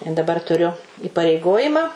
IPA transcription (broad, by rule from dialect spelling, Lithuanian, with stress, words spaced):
ɪ dɐˈbɐr tʊˈrʲʊ iːpɐrʲɛɪˈɡoːjɪmɑː